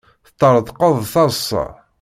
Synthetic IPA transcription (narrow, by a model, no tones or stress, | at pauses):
θə̥t̪ːəɾˤəd̪ˤqəðˤθɑsːɑ̰